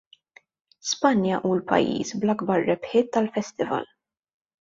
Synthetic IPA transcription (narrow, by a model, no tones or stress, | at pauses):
spɐnjɐʔuːlpɐ̰jːḭːsblɐɡbɐɾːɛpħɪːt̪ːɐlfɛst̪ɪvɐ̰l